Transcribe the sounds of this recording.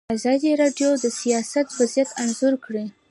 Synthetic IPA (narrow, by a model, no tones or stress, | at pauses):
azɑd̪iɾɑɖjod̪əsijɑsat̪wazijat̪anzuɾkɽi